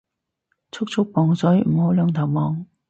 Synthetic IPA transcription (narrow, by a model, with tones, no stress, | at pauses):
t͡sʰʊ˥k̚t͡ʃʰʊ˥k̚pɔː˨˩ŋsɵ˨˥jm̩˨˩ho˨˥wlœː˨˧ŋt̪ʰɐ˨˩wmɔː˨˧ŋ